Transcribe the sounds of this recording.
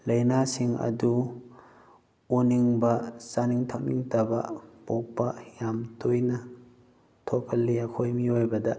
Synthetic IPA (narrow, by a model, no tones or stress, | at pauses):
lɐjnasiŋɐ̰du | uniŋbɐsaniŋtʰak̚nḭŋtabapɔk̚pːajamtojnɐ | tʰokʰɐlːiakʰojmiojbɐda